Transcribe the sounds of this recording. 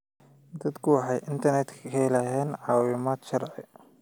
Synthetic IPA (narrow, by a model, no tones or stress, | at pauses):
d̪ɐd̪kʰʊwɑħɑjʔɪnt̪ʰɐrnɛt̪ʰkʰɐlɐɦɛːnʕɑːwɪmaːd̪ʃɐrʕɪ̰